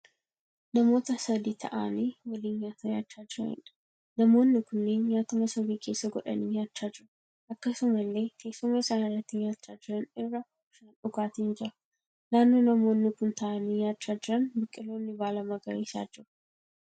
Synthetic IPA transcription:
nɐmo̞ːt̪ɐsɐd̪it̪ʰɐ̰ʔa̰ːnewɐlinjaːt̪ɐja̰ːt͡ʃːaːd͡ʒɪɾɐ̰ɪ̰nɐ | nɐmo̞ːnːɪkʊnːenjaːt̪ʊmɐsɐbiːkʰe̞ːsːɐɡɔᶑɐ̰niːjaːt͡ʃːaːd͡ʒɪɾ | ʔɐkːɐsʊmɐlːe̞ːt̪ʰeːsʊmesanɪrɐt̪ːɪnjaːt͡ʃːaːd͡ʒɪɾɐnɪrːɐ | ʃɐnᶑʊɡaːt̪ind͡ʒɪɾɐ | naːnːonɐmo̞ːnːɪkʊnt̪ʰɐʔanijaːt͡ʃːaːd͡ʒɪɾɐnbɪkʼːɪlo̞ːnːɪbaːlɐmɐɡɐ̰ɾesa̰ːd͡ʒːɪɾʊ

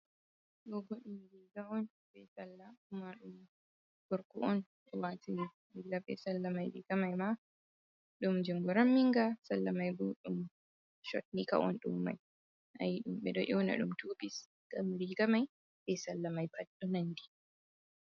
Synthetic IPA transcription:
ɗɔɡɔɗimɾiɡaɔn | bɛsalːaumaɗuma | ɡ̥ɔɾkɔʔɔn | ɔwati | ilːaɓɛ̰salːamajɾḭɡamajma | ɗumd͡ʒiŋɡɔɾamːiŋɡasalːamajɡuɗum | ʃɔ̰tnika̰ʔɔ̰nɗṵmːa̰j | ʔa̰jiɗumɓɛ̰ɗɔʔɛwna̰ɗumtubis | ɡ̥amɾiɡamaj | ɓɛsalːamajpʰaɗːɔnandi

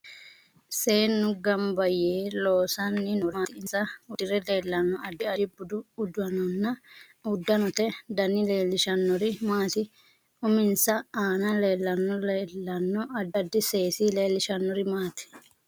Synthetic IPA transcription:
se̞ːnːʊɡɐmbɐjeːloːsɐnːɪnɔaːɪɪnsɐʊd̪ɪɾɛle̞ːlːɐnːɔɐd̪ːɪɐɪbʊd̪ʊʊd̪ʊɐnɔnːɐ | ʊd̪ːɐnɔt̪ɛd̪ɐnɪle̞ːlːɪʃɐnːɔɾɪmaːt̪ɪ | ʊmɪnsɐaːnɐle̞ːlːɐnːɔleːlːɐnːɔɐd̪ɐd̪ːɪseːsiːle̞ːlːɪʃɐnːɔɾɪmaːt̪ɪ̥

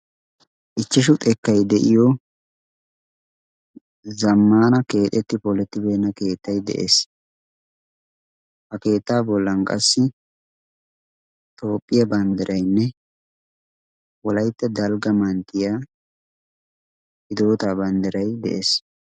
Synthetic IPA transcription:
ʔɪt͡ʃːɪʃ̬ʊt̪ʼɛkːɐjd̪ɛʔɪjɔ | zɐmːaːnɐke̞ːt̪ʼːɛt̪ːɪpɔlɛt̪ːɪbe̞ːnːɐke̞ːt̪ːɐjd̪ɛ̰ʔeːs | hɐke̞ːt̪ːaːbɔlːɐnkʼɐsːɪ | t̪o̞ːpʼːɪjɐbɐnd̪ɛɾʔɐjnːɛ | wɔlɐjt̪ːɛd̪ɐlɡɐmɐnt̪ːɪjaː | ɪd̪o̞ːt̪aːbɐnd̪ɛɾɐjd̪ɛ̰ʔeːs

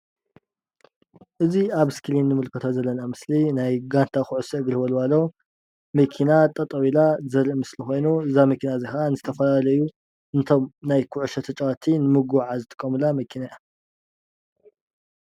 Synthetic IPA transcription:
ʔɨziaβɨskʰɨlinːɨmɨlkʰɨt̪ʰozɐlːɐnamɨslinajɡant̪ʰakʰʊʕusɐɨɡɾɨβɐlwalːo | mɐkʰinat̪ʼɐt̪ʼɐwilazɐɾiʔmɨslixo̞jnuɨzamɐkʰinazixanɨzɨt̪ʰɐfɐlalɐju | ɨnt̪ʰo̞mnajkʰʊʕuʃɐt̪ʰɐt͡ʃʼawat̪ʰinɨmɨɡuʕazɨt̪ʼɨ̥kʼːɐmɨlamɐkʰinaja

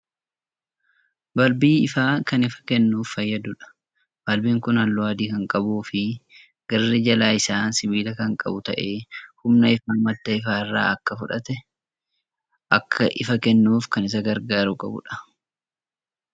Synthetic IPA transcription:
bɐlbiːɪfaːkɐnɪfɐ̥kɛnːuːfːɐjːɐd̪ʊᶑɐ̥ | b̥ɐlbiːŋkʊnɐlːʊaːd̪iːkɐŋkʼɐbuːfɪ | ɡ̥ɐrːɛd͡ʒɐlaːɪsaːnsɪbiːlɐkɐŋkʼɐ̰bʊt̪ɐ̰ʔeːhʊmnɐɪfaːmɐd̪ːɐɪfaːɪrːa̰ːɐkːɐfʊᶑɐt̪ɛ | ʔɐkʰːɐʔɪfɐkɛnːuːfkɐnɪs̬ɐɡɐɾɡaːɾʊkʼɐbʊ̰ᶑɐ̥

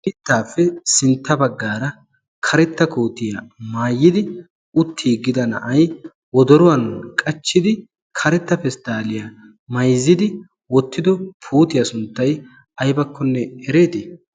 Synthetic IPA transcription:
ʔɪt̪ːaːfːɛsɪnt̪ːɐbɐɡːaːɾɐ | kʰɐɾɛt̪ːɐkoːt̪ɪjɐmaːjːɪd̪ɪ | ʊt̪ʰːiːɡːɪd̪ɐnɐ̰ʔɐj | wɔd̪ɔɾʊwɐnkʼɐt͡ʃːɪd̪ɪ | kʰɐɾɛt̪ːɐpɛst̪aːlɪja | mɐjzːɪd̪ɪ | wɔt̪ːɪd̪ɔpʰuːt̪ɪjɐsʊnt̪ːɐj | ɐjbɐkːɔnːɛɛɾe̞ːt̪ɪ

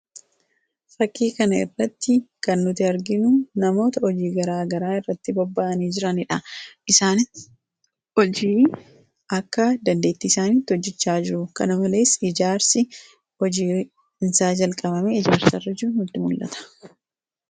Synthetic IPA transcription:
fɐkːiːkɐnɐɪrːɐt̪ːɪkɐnːʊt̪ɪɐɾɡɪnʊnɐmo̞ːt̪ɐɔd͡ʒiːɡɐɾaːɡɐɾaːɪrːɐt̪ːɪbɔbːaːʔɐniːd͡ʒɪɾɐnɪᶑɐʔɪsaːnɪ | ɔd͡ʒiː | ʔɐkːɐd̪ɐnd̪e̞ːt̪ːɪːsaːniːt̪ːɪɔd͡ʒːɛt͡ʃːaːd͡ʒɪɾʊkɐnɐmɐle̞ːsɪd͡ʒaːɾsɪ | ɔd͡ʒiː | nsaːd͡ʒɐlkʼɐbɐmeɪd͡ʒaːɾsɐrːɐd͡ʒɪɾʊnʊt̪ːɪmʊlːɐ̰t̪ɐ̥

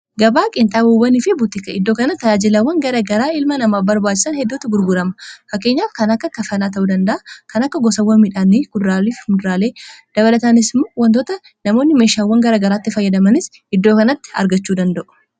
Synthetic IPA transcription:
ɡɐbaːkʼɪnt̪ʼaːboːbɐnɪfɪbut̪ɪkɐɪd̪ːo̞ːkɐnɐt̪ːɐjaːd͡ʒɪlɐwːɐŋɡɐɾɐɡɐɾaːɪlmɐnɐmaːfbɐɾbaːt͡ʃːɪsɐnhɛd̪ːoːt̪ːɪɡʊɾɡʊɾɐmɐfɐkːe̞ːɲːaːfkɐnɐkːɐkɐfɐnaːt̪̬ɐʔuːd̪ɐnd̪ɐʔakɐnɐkːɐɡɔsɐwːɐmiᶑaːnːiːɡʊd̪ɾaːliːfmʊd̪ɾaːle̞ːd̪̥ɐβɐlɐt̪ɐnɪsmːoːwɐnt̪oːt̪ɐ | nɐmo̞ːnːɪme̞ːʃaːwːɐŋɡɐɾɐɡɐɾaːt̪ːɪfɐjːɐd̪ɐmɐnɪs | ɪd̪ːo̞ːkɐnɐt̪ːɪ̥ɐ̰ɾɡɐt͡ʃːuːd̪ɐnd̪ɐʔʊ̥

